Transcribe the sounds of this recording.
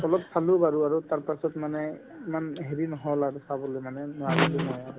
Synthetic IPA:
ɔlɔpsʰalubaɹuaɹutaɹpasɔtmanɛ | imanɦeɹinɔɦɔlaɹusabɔlojmanɛnɔwabelinɔɔaɹu

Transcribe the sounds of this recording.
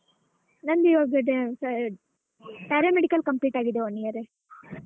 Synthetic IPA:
nɐnd̪iʋaɡeɖes | paːɾemeɽikɐlkɐmpliːʈaːɡid̪eɐnːijɐɾe

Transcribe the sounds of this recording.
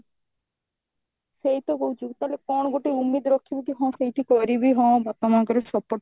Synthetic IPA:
sejt̪ɔɡowd͡ʒuɡt̪alekɔɳ̃ɔɡoʈiumːid̪ɔɾɔkʰːibit̪iɦɔ̃sejʈikɔɾibiɦɔ̃bat̪ɔmakɔɾesɔpːɔɾʈ

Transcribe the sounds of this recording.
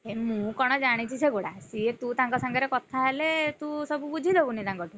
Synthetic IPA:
emũkɔɽ̃ɔd͡ʒaɽ̃it͡ʃʰit͡ʃʰeɡoɽasiet̪ũt̪aŋkɔsaŋɡɔɾekɔt̪ʰaɦelet̪ũsɔbubud͡ʒʱid̪ebunit̪ãŋkɔt̪u

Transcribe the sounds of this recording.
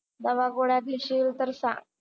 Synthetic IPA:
d̪əʋaɡoɽjad̪iɕiːlt̪əɾsa̰

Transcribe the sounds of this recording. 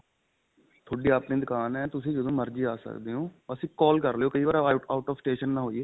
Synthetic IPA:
t̪ʰoːɖiːaːpnĩːd̪ʊkaːnɦɛ̃ːt̪ʊsĩːd͡ʒəd̪õːməɾd͡ʒiːaːsə̰kd̪eːɦõːəsĩːkɔːlkəɾlejoːkəiːʋaːɾaːaːʈɔːfsʈeːʃənːãːɦoːiːeː

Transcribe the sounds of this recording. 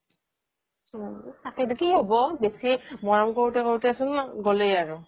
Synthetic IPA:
takɛdikiɦobɔbesimɔɹɔmkoɹtɛkɔɹtɛasʊnɡolejaɹʊ

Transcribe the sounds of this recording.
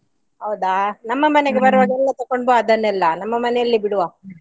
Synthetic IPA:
ɦɐwd̪aːnɐmːɐmɐneɡebɐɾɐʋaːɡɛlːɐt̪ɐkːoɳboɐd̪ɐnːɛlːɐnɐmːɐmɐnɛjɐlːibiɽuʋaː

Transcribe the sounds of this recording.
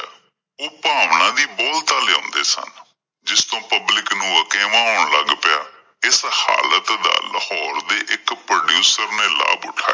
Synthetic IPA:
oːpaːʋɳãːd̪iːboːlt̪aːleːõːnd̪eːsə̰n | d͡ʒɪst̪õːpəblɪknũːəkɛːmãːɦoːɳləɡpɪjaː | ɪsha̰ːlət̪d̪a̰ːləhɔːɾd̪eːʔɪkpɾoːɖjuːsəɾneːla̰ːbʊʈʰaː

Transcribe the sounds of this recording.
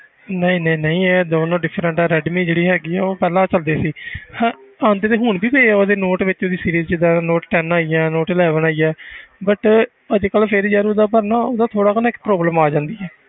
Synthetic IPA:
nəĩːnəĩːnəĩːɛːd̪oːnõːɖɪpʰːɾəɳʈɛːɾɛːɖmiːd͡ʒeːɽiːɦɛːɡiːɛːoːpɛːlãːt͡ʃəld̪eːsiːhɛːaːnd̪eːt̪eːɦʊɳbiːpeːɛːod̪eːnoːʈʋɪt͡ʃod̪iːsiːɾiːzt͡ʃɪd̪aːnoːʈʈɛːnaːiːɛːnoːʈɪːlɛːʋənaːiːɛːbəʈ | əd͡ʒkəlpʰɪɾd͡ʒaːɾod̪aːpəɾnaːoːd̪aːt̪ʰoːɽaːkːnːɪkpɾoːbləmaːd͡ʒãːnd̪iːɛː

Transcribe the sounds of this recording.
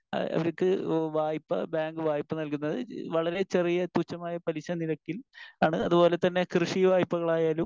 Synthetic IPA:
ɐ̰ɐ̰ʋɐɾɐkːɨʋaːjpːɐ̰baːŋɡɨʋaːjpːɐnɐlkunːɐðɨʋɐɭɐɾe̞t͡ɕe̞rijɐt̪uːt͡ɕːɐmaːjɐpɐliɕɐniɾɐkːilaːɳɨɐðubo̞ːle̞t̪ɐnːe̞krɨʂiʋaːjpːɐɣɐɭaːjaːlum

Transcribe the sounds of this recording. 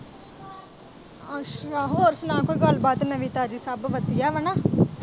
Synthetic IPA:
aʃaːɦuoɾsnãːkoːiːɡəlbaːt̪nəʋiːt̪aːd͡ʒiːsabʋəd̪ijaːʋənaː

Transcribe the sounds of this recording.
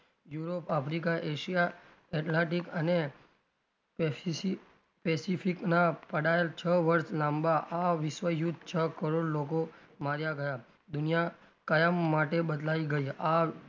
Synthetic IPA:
juɾopapɾikaʔeʃija | ɛʈlãʈikəne | pɛsifʰiknapəɽaelt͡ʃʰəʋəɾʃlambaʔaʋɪʃʋəjud̪̚ʱt͡ʃʰəkəɾoɽloko | maɾjaɡəja | d̪ʊnija | kajəmːaʈebəd̪laiɡəia

